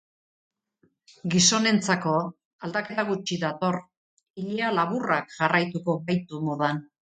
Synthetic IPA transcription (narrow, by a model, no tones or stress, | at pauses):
ɡiso̞ne̞nt͡sako̞ | ald̪ake̞t̪aɣ̞ut͡ʃiðat̪o̞r | iʎialaβurakʝarajt̪uko̞βajt̪umoðan